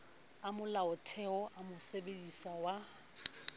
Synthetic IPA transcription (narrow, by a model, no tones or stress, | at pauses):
amʊlaʊtʰɛɔʔamʊsebedisawa